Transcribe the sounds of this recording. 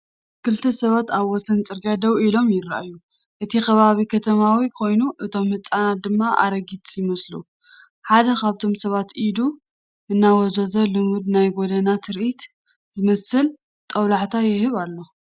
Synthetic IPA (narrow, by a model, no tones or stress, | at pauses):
kʰɨlt̪ʰɐsɐβat̪aβwɔsɐnt͡sʼɨɾɡad̪ɐwilo̞mjɪɾa̰ʔaju | ʔɨt̪ʰixʰɐβaβikʰɐt̪ʰɐmawikʰo̞jnuʔɨt̪ʰo̞mhɨt͡sʼanat̪̚d̪ɨmːaʔa̰ɾɐɡit̪ʰjɪmɐslu | ħad̪ɐkʰaβt̪ʰo̞msɐβat̪id̪u | ʔɨnːawɔzɐzɐlɨmɨd̪najɡod̪ɐnat̪ʰɨɾʔit̪ | zɨmɐsɨl | t̪ʼɐwlaħt̪ʰajɪhɨβalːo̞